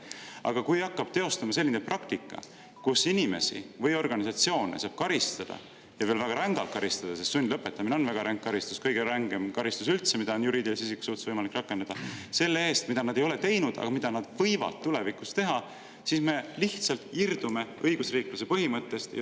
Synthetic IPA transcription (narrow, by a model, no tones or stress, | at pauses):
ɑ̰ɡ̥ɑkujɑkːɑb̥̚t̪e̞o̞st̪ɑmɑse̞lʲːineprɑkt̪ikːˑɑ̰ | kusinʲime̞̰sḭvɤjo̞rɡ̥ɑnis̬ɑt̪sio̞ːnḛsɑːb̥̚kɑɾist̪ɑd̪̥ɑ̰ | jɑveːlvæɡ̥ɑɾæŋɡ̥ɑlt̪̚kɑɾist̪ɑd̪̥ɑsest̪sunʲd̪lɤpːˑe̞t̪ːˑɑmineo̞nvæɡ̥ɑɾʔæŋɡ̚kːɑɾist̪u̥skɤjɡ̥e̞ɾɑŋɡ̥e̞mkɑɾist̪usylt̪se̞mid̪̥ɑonjuɾiːd̪ilisisikːˑu̥sult̪svɤjmɑlikːˑrɑkːˑe̞nɑd̪̥ɑse̞lːee̞ːst̪mid̪ɑnɑd̪e̞jo̞le̞t̪e̞jnud̪̥ɑ̰ɡ̥ɑmid̪̥ɑnɑd̪̥vɤjvɑ̰d̪̥t̪ːule̞vikˑust̪e̞ɦɑ | sisme̞liht̪sɑlt̪ˑird̪̥ume̞ɤjɡ̥usriːkluse̞pɤɦimɤt̪ːˑe̞st̪jɑ̰